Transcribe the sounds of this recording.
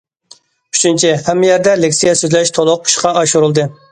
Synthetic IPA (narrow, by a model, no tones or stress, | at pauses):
y̥t͡ʃʰynt͡ʃʰihɛmːɪjɛɾd̪ɛlɪkʲsijɛsøzlɛʃt̪ʰolˠʊq̚ʰu̥ʃqɑɑʃuɾɨlˠd̪ɨ